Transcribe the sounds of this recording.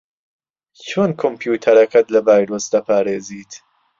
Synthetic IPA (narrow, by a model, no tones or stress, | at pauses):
t͡ʃʰonkʰompʰjuːt̪ʰɐɾɐkɐt̪lɐvaːjɾoːsd̪ɐpʰaːɾeːziːt̪ʰ